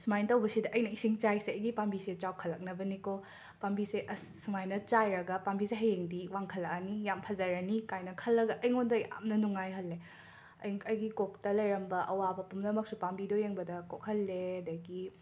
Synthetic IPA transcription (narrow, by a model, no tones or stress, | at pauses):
sumajntɐwbɐsidɐʔɐjnɐisiŋt͡ʃajseɐjɡipambiset͡ʃawkʰɐlːɐk̚nɐbɐniko | pambiseʔɐsumajnɐt͡ʃajɾɐɡɐpambiseɦɐjeŋdiwaŋkʰɐlːɐk̚ɐnijampʰɐzɐɾɐnikajnɐkʰɐlːɐɡɐʔɐjŋondɐʔa̰mnɐnuŋajɦɐlːe | ɐjɐjɡikok̚tɐlɐjɾɐmbɐʔɐwabɐpumlɐmɐk̚supambidojeŋbɐdɐkok̚hɐlːeɐdɐɡi